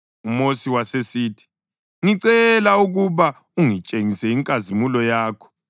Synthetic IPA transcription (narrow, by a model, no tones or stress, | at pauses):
umosiwasesiːtʰi̥ | ŋiǀɛlauɣuβa | uŋit͡ʃʼeŋisɛiŋkʼazimulɔjaːkʰɔ̥